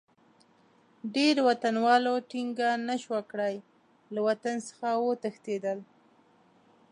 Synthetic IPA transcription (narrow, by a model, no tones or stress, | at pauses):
ɖeɾwat̪anwɑloʈiŋɡanaʃwakɽaj | lawat̪ansə̥xawot̪əxt̪ed̪əl